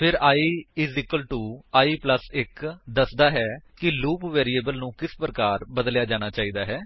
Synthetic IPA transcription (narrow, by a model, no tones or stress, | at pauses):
pʰɪɾaːiːɪzɪkəlʈuːaːiːpləsɪkd̪əsd̪aːɦɛːkɪluːpʋɛːɾiːeːbəlnũːkɪspɾəkaːɾbəd̪ljaːd͡ʒaːɽ̃aːt͡ʃaːiːd̪aːɦɛː